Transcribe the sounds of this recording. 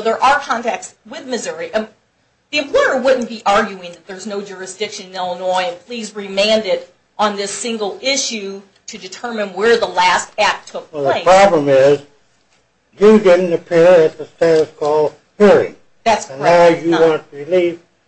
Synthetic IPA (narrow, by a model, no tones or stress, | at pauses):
ðə˞ʔə˞kʰɑ̃ntæk̚tswɪðmɨzʊɹiʔɨ̃n | ðiɨ̃mpʰl̥ɔɪə˞wʊdⁿn̩b̥iʔɑɹɡjʉɪ̃ŋðət̪̚ðə˞znoʊd͡ʒʊɹɨsd̥ɪkʃɨ̃ñnɛlˠənɔɪɨ̃npʰl̥izɹɪmæ̃ndɪɾ | ʔn̩ðɪsɪ̃ŋɡl̩ˠɪʃʉ | ɾɨdɨtʰɜ˞mɨ̃nwə˞ðəlæstæk̚tʰʊk̚pʰˠðəeɪpɹ̥ɑblə̃mɪz | jɨdɪdⁿn̩tɨpʰɪɹɨt̪̚ðɨstæɾɨskʰɔlˠd̚ | pʰɪɹɪ̰̃ŋ | ðætsə̃naʊjɨwɑ̃ntiliv